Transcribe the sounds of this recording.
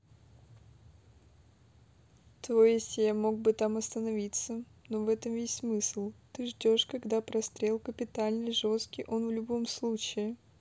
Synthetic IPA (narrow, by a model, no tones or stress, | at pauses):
t̪vojɪsʲjamo̞ɡ̚bɨt̪amɐst̪ənɐvʲit̪səno̞vɛt̪əmvʲesʲtʲsmɨsɨlˠt̪ɨʐdʲo̞ʂkɐɡd̪apɾɐst̪ɾʲe̞lˠkəpʲɪt̪alʲnɨʐo̞st̪kʲɪjʔo̞nvlʲʊbo̞mslˠut͡ɕɪɪ